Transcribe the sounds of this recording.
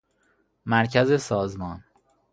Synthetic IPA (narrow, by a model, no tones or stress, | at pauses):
mæɾcʰæzesɒːzmɒːn